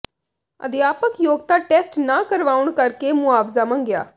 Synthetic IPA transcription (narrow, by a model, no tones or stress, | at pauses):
ə̰d̪ɪjaːpəkjoːɡ̚t̪aːʈɛːsʈnaːkəɾʋaːʊɳkəɾkeːmʊaːbzaːmə̃ŋɡja̰ː